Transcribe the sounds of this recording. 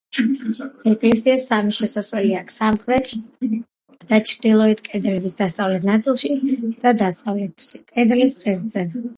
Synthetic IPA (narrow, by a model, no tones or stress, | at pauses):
ɛkʼlɛsiasamiʃɛsaswɛliakʰsamχɾɛt̪ʰ | d̪̥at͡ʃʰɾd̪ilˠɔɛt̪ʰkʼɛd̪ɾɛbisd̪ast̪sʼavlɛt̪ʰnat̪sʼilˠʃid̪̥ad̪ast̪ʼavɛt̪kʼɛd̪ɾisqʼiɾd̪zɛ